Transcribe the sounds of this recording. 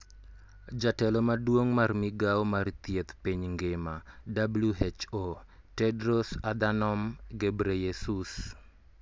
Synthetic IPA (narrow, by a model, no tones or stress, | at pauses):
d͡ʒatɛlɔmadwoŋmarmiɡawmart̪jet̪piɲŋɡɪmadabluet͡ʃo | tɛdɾɔsad̪anɔmɡebɾejesus